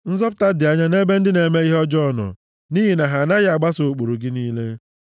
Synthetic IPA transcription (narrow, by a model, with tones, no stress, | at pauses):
n̩˦zɔ˦pʊ˦ta˦dɪ˨a˨ɲa˦ne˦be˦n̩˦dɪ˦ne˨me˦i˦ɦɔ˦d͡ʒɔ˦˨nɔ̰˨ | ni˦ɦi˨na˨ɦa˨na˦ja˨ɡ͡ba˦so˨o˨k͡po˨ɾu˨ɡɪ˦niː˦le˦